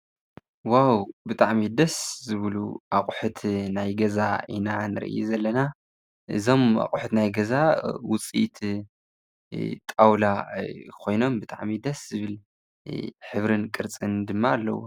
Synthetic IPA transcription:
wawbɨt̪ʼaʕmid̪ɐszɨβlṵʔakʼħut̪ʰnajɡɐza̰ḭnanɨɾɨ̰ʔɨ̰jṵzɐlːɐna | ʔɨ̰zo̞ma̰qʼʊħut̪najɡɐzawʊt͡sʼḭt̪ʰ | t̪ʼawlakʰo̞jno̞mbɨt̪ʼa̰ʕmid̪ɐszɨβɨl | ħɨβɾɨnkʼɨɾt͡sʼɨnd̪ɨmːaːlːɐ̰wo̰

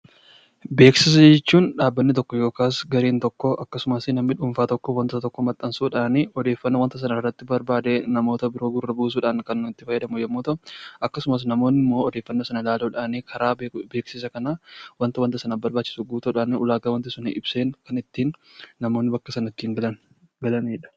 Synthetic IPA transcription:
be̞ːksɪs̬ɐd͡ʒɛt͡ʃːuːnᶑaːbːɐnːɪt̪ɔkːɔjo̞ːkaːsɡɐɾiːnt̪ɔkːɔʔɐkːɐsʊmɐsnɐmːɪᶑʊɱfaːt̪ɔkːɔwɐnt̪ɐt̪ɔkːɔmɐt̪ʼːɐnsuːᶑaːnɪɔd̪e̞ːfːɐnːɐwɐnt̪ɐs̬ɐnɐɪrːɐt̪ːɪbɐɾbaːd̪eːnɐmo̞ːt̪ɐbɪɾo̞ːɡʊrːɐbuːs̬uːᶑaːŋkɐnɪt̪ːɪfɐjːɐd̪ɐmʊjɛmːoːt̪ɐʔʊʔɐkːɐsʊmɐs̬nɐmo̞ːnːɪmːo̞ːɔd̪eːfːɐnːɐsɐnɐlaːloᶑaːnikʰɐɾaːbe̞ːksɪs̬ɐkɐnawɐnt̪ɐwɐnt̪ːɐsɐnabɐɾbaːt͡ʃːɪ̥suɡuːt̪ɐᶑaːnʊlaːɡɐwɐnt̪ɪsʊnɪ̰ʔɪbseːŋkɐnɪt̪ːiːnːɐmo̞ːnːɪbɐkːɐsɐnɐɪt̪ːiːŋɡɐn | ɡɐlɐneːᶑɐ̥

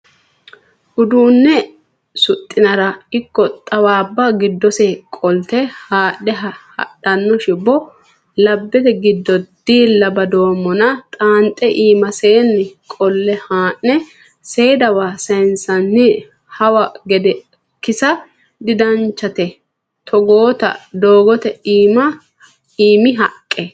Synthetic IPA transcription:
hʊd̪uːnːɛ | sʊt̪ʼːɪnɐɾɐɪkːɔt̪ʼɐwaːbːɐɡɪd̪ːɔsɛkʼɔlt̪ɛhaːɗːɛɦɐhɐ̰ɗɐnːɔʃɪbɔ | lɐbːɛt̪ɛɡɪd̪ːɔd̪̥iːlːɐbɐd̪o̞ːmːɔnɐt̪ʼaːnt̪ʼɛʔiːmɐseːnːɪkʼɔlːɛhaːnːɛ | seːd̪ɐwaːsɐjnsɐnːɪ | hɐwɐɡɛd̪ɛ | kɪsɐ | d̪ɪd̪ɐnt͡ʃːɐt̪ɛ | t̪ʰɔɡoːt̪ɐ̰d̪oːɡɔt̪ɛiːmɐ | iːmɪɦɐkʼːɛ

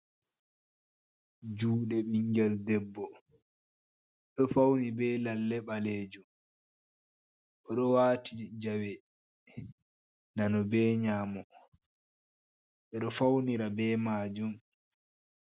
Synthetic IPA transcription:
d͡ʒuːɗɛɓiŋɡɛldɛbːɔ | ɗɔfawnibɛːlalːɛɓaleːd͡ʒum | ʔɔɗɔwaːtʰid͡ʒawɛ | nanɔbɛːɲaːmɔ | ɓɛɗɔfawniɾabɛːmaːd͡ʒum

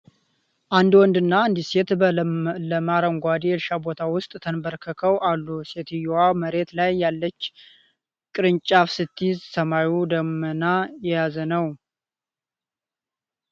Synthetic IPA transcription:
ʔand̪wɔnd̪ɨnːaɨnd̪ise̞t̪ | ləmaɾəŋɡʷad̪ielʃabo̞t̪ʰawʊst̪ʼt̪ʰənbəɾkʰəkʰəwʔalːuset̪ʰijowaməɾe̞t̪lajːalːət͡ʃː | kʼɨɾɨɲt͡ʃʼafsɨt̪ʰːizsəmajud̪əmːənajɛjazənəw

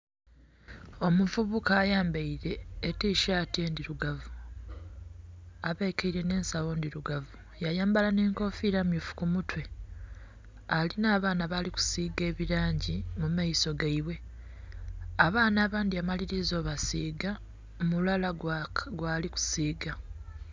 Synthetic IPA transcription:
o̞muvuβukaːjaːmbaiɾe̞ːtiʃaːtie̞ndiɾuɡavu | aβekeiɾe̞ne̞ːnsawo̞ndiɾuɡavu | jajaːmbalane̞ːŋko̞fiɾamjufu̥kumutwe̞ | alinaːβaːnaβaliku̥siːɡe̞ːβiɾaːɲɟimumaiso̞ɡaiβwe̞ | aβaːnaːβaːndiamaliɾizo̞ːβasiːɡa | omulalaɡwaːliku̥siːɡa

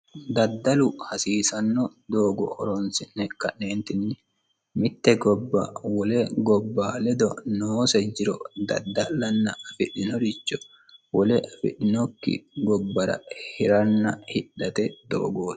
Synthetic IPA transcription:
d̪ɐd̪ːɐlʊhɐsiːsɐnːɔd̪oːɡɔ̰ɔ̰ɾɔnsɪnːɛkɐnːeːnt̪ɪnːɪ | mɪt̪ːɛɡɔbːa̰wɔlɛɡɔbːaːlɛd̪ɔnoːsɐd͡ʒɪɾɔd̪ɐ̰d̪ːɐlːɐnːɐfɪᶑɪnɔɾɪt͡ʃːɔ | wɔlɛʔɐfɪ̰ᶑɪnɔkːɪ̰ɡɔbːɐɾɐ̰hɪɾɐnːɐhɪᶑːɐt̪ɛd̪̥o̰ːɡoːd

